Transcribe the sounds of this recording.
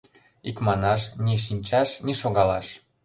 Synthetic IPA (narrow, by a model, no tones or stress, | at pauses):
ikmɑnɑʃniʃ̬inʲt͡ɕɑʃniʃoɣɑlɑʃ